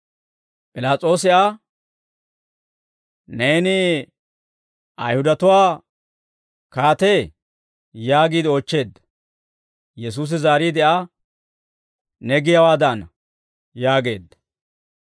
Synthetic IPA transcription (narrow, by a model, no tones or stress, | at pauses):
pʼɪlaːt͡sʼo̞ːsɪʔa | neːnɪ | ʔɐjhʊd̪ɐt̪ʊwaː | kaːt̪eː | jaːɡiːd̪ɪoːt͡ʃːe̞ːd̪ːɐ̥ | jɛs̬uːs̬ɪzaːɾiːd̪ɪʔa | nɛɡɪjɐwaːd̪ɐn | jaːɡe̞ːd̪ːɐ̥